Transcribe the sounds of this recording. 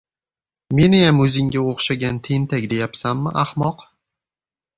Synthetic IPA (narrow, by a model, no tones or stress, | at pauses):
me̞nɪjamɵzɪŋɡʲaoχʃaɡʲant̪ʰe̞nt̪ʰakʲd̪e̞japsamːɪʔahmɒq